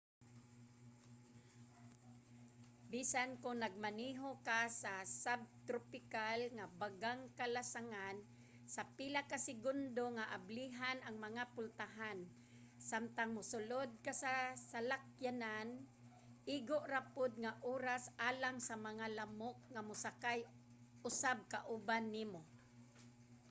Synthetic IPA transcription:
bisankʊŋnaɡ̚maniɦokasasab̚t̪ɾopɪkalŋabaɡaŋkalasaŋan | sapilakasɪɡʊnd̪oŋaʔabliɦanʔaŋmaŋapʊlt̪aɦan | samt̪aŋmʊsʊlod̪̚kasasalak̚janan | ʔiɡoʔɾapʊd̪̚ŋaʔuːɾasʔaːlaŋsamaŋalamok̚ŋamʊsakaj | ʊsab̚kaʔʊbanːiːmo

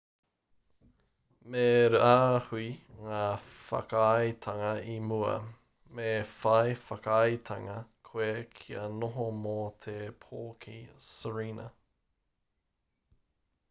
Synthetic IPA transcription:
meɾuahuiŋaːfɐ̰kaɐjt̪ʰɐŋɐimuɐ̰ | mefɐjfɐkɐjt̪ʰɐŋɐkʰoekʰiɐnoɦomot̪ʰepʰoːkʰḭsəɹiːnɐ̰

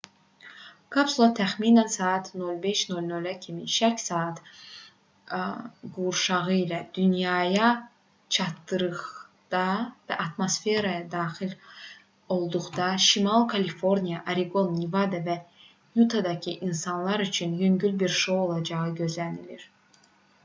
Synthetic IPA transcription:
kʰɑpsulˠat̪ʰæxminænsɑːt̪ʰno̞lˠbe̞ʃnolʲnølæcʰimiʃæɾcsɑːt̪ | ɡuɾʃɑʁɯilæd̪̥ynjɑːjɑ | t͡ʃʰɑt̪ːɯɾɯʁd̪̥ɑvæʔɑt̪mo̞sfe̞ɾɑjɑd̪ɑːxil | o̞lˠd̪uʁd̪ɑʃimɑlˠkʰɑlifo̞ɾnijɑʔaɾiɡo̞nːivɑd̪ɑvæ | jut̪ʰɑd̪ɑcʰiʔinsɑnlˠɑɾyt͡ʃʰynjømɟylbiɾʃo̞wo̞lˠɑd͡ʒɑʁɯɟø̞zlæniliɾ

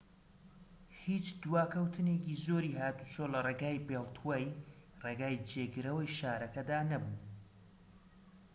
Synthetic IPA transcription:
hit͡ʃd̪waːkʰɐwt̪ʰɨneciːzoːɾihaːt̪usoːlɐreːɡaːjbeːlˠt̪ʰwaːjreːɡaːjd͡ʒeːɡɨɾɐwɐjʃaːɾɐkɐd̪aːnɐbu

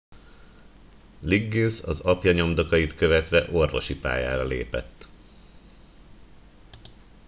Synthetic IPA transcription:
liɡːinsɒzɒpjɒɲo̞md̪o̞kɒjit̪kø̞vɛt̪ʋɛʔo̞rvo̞̰ʃipa̰ːja̰ːɾɒlḛːpɛ̰t̪ː

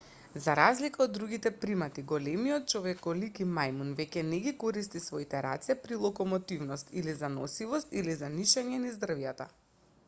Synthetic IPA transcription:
zaɾazlikaod̪ːɾuɡit̪ɛpɾimat̪iɡɔlɛmiɔt̪̚t͡ʃɔvɛkɔlikimajmunvɛcɛnɛɡikɔɾist̪isvɔit̪ɛɾa̰t̪sɛpɾilˠɔkɔmɔt̪ivnɔst̪ilizanɔsivɔst̪ilizaniʃaɲɛnizd̪ɾrvjat̪a̰

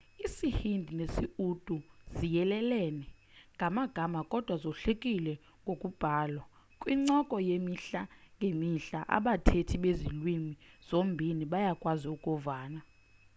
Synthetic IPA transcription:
isihindʱinesiud̥ʼuz̥ijɛlɛlɛːnɛ | ŋɡʱamaɡ̥ʱamakʼɔd̥ʱwazɔɬekʼilɛ | ŋɡʱokʼub̥ʱaːlwa | kʼwiŋ͡ǀɔkʼɔjemiɬaŋɡʱemiɬa̰ʔa̰ɓatʰetʰiɓezilwimiz̥ombʱiniɓajakʼwaziukʼɔvaːna

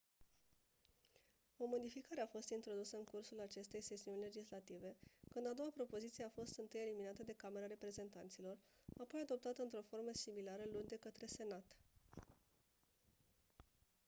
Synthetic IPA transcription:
o̞mo̞d̪ifikaɾe̞afo̞st̪int̪ɾo̞d̪usəɨŋkursulat͡ʃe̞st̪e̞jse̞siunʲle̞d͡ʒislat̪ive̞kɨnd̪ad̪o̞wapɾo̞po̞zit̪sije̞afo̞st̪ɨnt̪ɨje̞liminat̪əd̪e̞kame̞ɾaɾe̞pɾe̞ze̞nt̪ant̪silo̞rapo̞jad̪o̞p̚t̪at̪əɨnt̪ɾo̞fo̞rməsimilaɾəlund̪e̞kət̪ɾe̞se̞nat̪

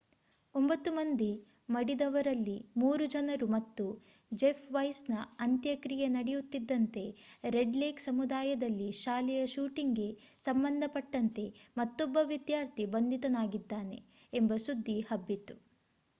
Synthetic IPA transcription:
ombɐt̪ːumɐnd̪i | mɐɽid̪ɐʋɐɾɐlːimuːɾud͡ʒɐnɐɾumɐt̪ːu | d͡ʒepʰʋɐjsnɐɐnt̪jɐkɾijɐnɐɽejut̪ːid̪ːɐnt̪e̞ɾe̞ɖleːksɐmud̪aːjɐd̪ɐlːiʃaːlɛjɐʃuːʈiŋɡe̞ | sɐmbɐnd̪ʱɐpɐʈːɐnt̪e̞mɐt̪ːɔbːɐʋid̪jaːɾt̪ʰibɐnd̪ʱit̪ɐnaːɡid̪ːaːne̞̰ː | mbɐsud̪ʱːihɐbːit̪ːu

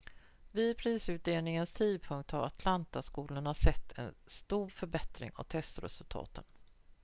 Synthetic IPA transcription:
viːd̪̚pʰɾiːsʉ̟ːt̪̚d̪eːlnɪŋənst̪ʰiːd̪̚pʰɵŋk̚t̪haɾat̪ʰlant̪askuːlʊɳasɛt̪ʰːɛ̰nst̪uːɾfœɾbɛt̪ɾɪ̰ŋɔ̰t̪ʰɛst̪ɾɛ̰sɵlt̪ʰɑ̰ːt̪ən

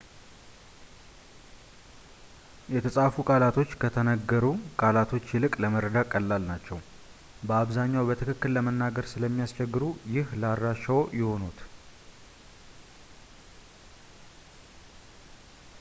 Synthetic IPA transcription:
jɛt̪ʰəsʼafukʼalat̪ʰo̞t͡ʃːkʰət̪ʰənəɡːəɾukʼalat̪ʰo̞t͡ʃːjɪlɨkʼləməɾəd̪akʼːəlːalnat͡ʃːɛw | bəaβzaɲːawbət̪ʰɨkɨkːɨlːəmənːaɡəɾsɨləmːijast͡ʃɛɡːɨɾujɪhlaɾːaʃəwjɪho̞nut̪

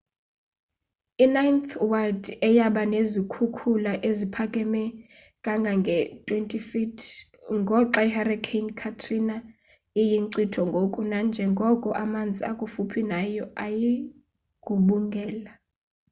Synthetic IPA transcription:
inajnθwaldɛjaɓanezikʰukʰulaʔezipʰakʼɛmɛ | kʼaŋɡʱaŋɡʱɛtʼwentʼifitʰ | ŋɡʱɔǁaiharakʰenkʰatʰrina | ijiŋǀitʰɔŋɡʱokʼunand͡ʒʱɛŋɡʱɔkʼɔʔamand͡zʱiakʼufupʰinajɔʔaji | ɡ̥ʱuɓuŋɡʱɛːla

